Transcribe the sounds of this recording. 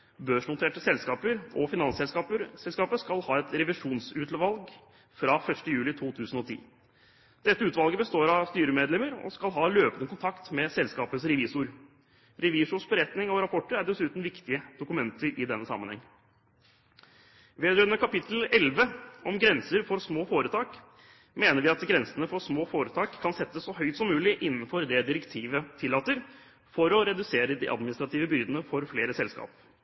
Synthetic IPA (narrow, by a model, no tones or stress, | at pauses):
bøːʂnʊt̪ʰeːʈəsɛlskɑːpəɾɔfɪnɑnsɛlskɑːpəsɛlskɑːpəskɑlhɑːɛt̪ɾɛʋɪʂuːnsʉːt̪ʰlɔʋɑlɡ | fɾɑfœʂʈəjʉːlɪt̪ʰuːt̪ʰʉːsən̩ɔt̪ʰḭː | d̪̥ɛt̪ːəʉːt̪ʋɑlɡəbəst̪oːɾɑʋst̪yːɾəmeːd̪lɛməɾɔ̰skɑlɦɑːløːpənəkʰʊnt̪ʰɑkt̪mɛsɛlskɑːpəsɾɛʋiːsʊɾ | ɾɛʋiːʂʊsbəɾɛt̪nɪŋɔɾɑpʰɔʈːəɾæɖɛsʉːt̪n̩ʋɪkt̪ɪəd̪ʊkʉmɛnt̪əɾɪd̪ɛnːəsɑ̰mːənhɛ̰ŋː | ʋeːd̪ɾœʏənəkʰɑpɪt̪l̩ɛlʋəʔɔmɡɾɛnsəɾfɔɾsmoːfoːɾət̪ʰɑːk | meːnəɾʋɪɑt̪ɡɾɛnsənəfɔɾsmoːfoːɾət̪ʰɑːkʰːɑnsɛt̪ːəssɔhœʏt̪sɔmːʉːlɪʔɪnːənfɔɾd̪ɛd̪ɪɾɛkt̪ʰiːʋət̪ʰɪlːɑːt̪əɾ | fɔɾɔɾɛd̪ʉseːɾəd̪ḭʔɑ̰d̪mɪnɪst̪ɾɑt̪iːʋəbʏɾd̪ənəfɔɾfleːɾəsɛlskɑ̰ːp